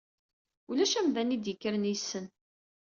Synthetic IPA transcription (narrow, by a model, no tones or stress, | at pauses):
ulæʃæmvænid̪jəkːəɾnisːən